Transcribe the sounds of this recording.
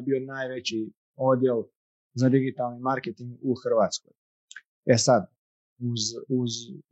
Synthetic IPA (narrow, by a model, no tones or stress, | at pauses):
bio̞naːjʋet͡ɕi | od̪jel | zad̪iɡit̪alnimaɾket̪iŋɡuxr̩ʋaːt̪sko̰j | esad̪ | uzuz